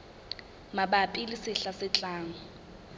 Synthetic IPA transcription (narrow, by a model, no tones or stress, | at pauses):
mabapʼilisɪɬasɪt͡ɬʼaːŋɔ